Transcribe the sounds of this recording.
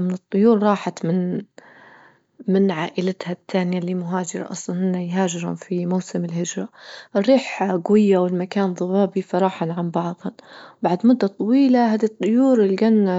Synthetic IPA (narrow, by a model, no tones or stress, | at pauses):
mɪnɨt̪ˤːʊjuːɾˤɾˤɑːħat̪mɪn | mɪnʕaːʔɪlat̪hat̪ːaːnɪjalimʊɦaːd͡ʒɪɾˤɑ̰ʔɑ̰sˤlɑnhɪnːajɦaːʒɪɾhʊ̰mfimawsɪmɪlhɪd͡ʒɾˤɑʔɪrːiːħɡwɪjːawɪlmakaːnðˤʊbɑːbifɑɾˤɑːħanʕambɑʕðˤhʊbaʕd̪mʊd̪ːat̪ˤːɑwiːlaɦaːd̪it̪ˤːʊjuːɾɪlɡanː